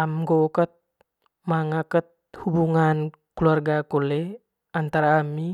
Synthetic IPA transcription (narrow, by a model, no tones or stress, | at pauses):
amɡokət̪̚ | maŋakət̪̚hubuŋan | kluarɡakole | ant̪aɾaːmi